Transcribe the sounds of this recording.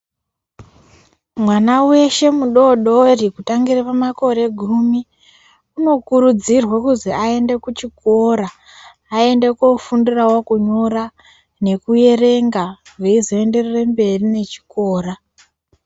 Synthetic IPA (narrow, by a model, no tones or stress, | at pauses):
mwanawe̞ʃe̞muɗo̞ɗorikutaŋɡirapamako̞ɾe̞ɡʱumi | uno̞kuɾud͡zirwakuziae̞nde̞kut͡ʃiko̞ɾaː | e̞nde̞kofundirawokuɲo̞ra | ne̞kuje̞re̞ŋɡaʐeizo̞e̞nde̞rerembe̞rine̞t͡ʃi̥ko̞ːra